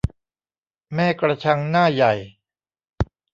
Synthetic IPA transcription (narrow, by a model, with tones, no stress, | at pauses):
mɛː˥˩kɾa˧t͡ɕʰa˧ŋnaː˥˩ja˨˩j